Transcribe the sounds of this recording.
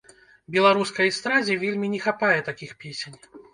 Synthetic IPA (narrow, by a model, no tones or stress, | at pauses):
bʲɛlˠaɾuskɐjst̪ɾazʲɛvʲelʲmʲinʲɛxapajɛt̪akʲixpʲesʲenʲ